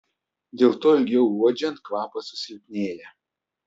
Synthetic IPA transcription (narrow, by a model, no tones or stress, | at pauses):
d̪ʲeːlˠt̪oːɪlʲɡʲɛʊuɔd͡ʒʲɛnt̪̚kʋɑːpɐsʊ̥sʲɪlʲpʲnʲeːjɛ